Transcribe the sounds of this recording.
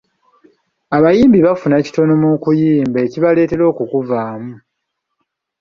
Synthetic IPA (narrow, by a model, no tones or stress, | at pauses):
aβajiːmbiβafunaci̥to̞nomukujiːmbeːciβale̞ːte̞ɾo̞ːkukuvaːmu